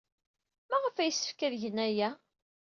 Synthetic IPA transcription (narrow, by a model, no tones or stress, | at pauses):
mæʁəfæjəsːə̥fkæðʝənæjæ